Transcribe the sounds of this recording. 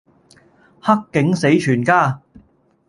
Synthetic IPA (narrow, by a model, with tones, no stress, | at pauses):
hɐ˥kːɪ˨˥ŋse˨˥jt͡ʃʰyː˨˩nkaː˥˧